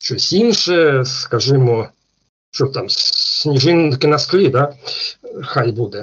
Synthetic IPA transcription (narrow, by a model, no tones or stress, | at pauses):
t͡ɕojsʲtʲinʂəɛskaʐɨmo | t͡ɕot̪amʲnʲɪʐɨnkʲɪnɐsklʲid̪a | xajbud̪ɛ